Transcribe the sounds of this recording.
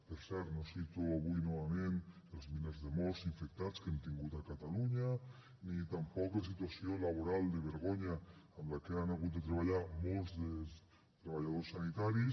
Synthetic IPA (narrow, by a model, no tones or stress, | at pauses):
peɾsɛɾt̪nosit̪uaβujnoβamẽn | elzminezðemɔsiɱfek̚t̪at͡skant̪iŋɡut̪akat̪aluɲa | nit̪ampɔklas̬it̪wasjolaβ̞oɾald̪eβ̞eɾɣoɲamlakeanaɣut̪̚d̪et̪ɾeβ̞aʎaɾmolzðe | t̪ɾeβ̞aʎað̞osanit̪aɾis